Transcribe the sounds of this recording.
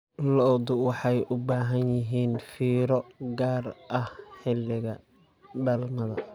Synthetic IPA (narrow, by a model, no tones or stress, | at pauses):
lɔd̪ʊwɑħɑjʔʊbaːɦɐnjɪɦiːnfiːɾɔɡaːrʔɐhħɪlːɪɣɐ | bɛlmɐðɐ̰